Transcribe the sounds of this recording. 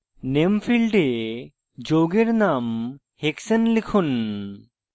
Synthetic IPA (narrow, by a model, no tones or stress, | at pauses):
nempʰilɖe | d͡ʒoɡeɾnam | heksənlikʰun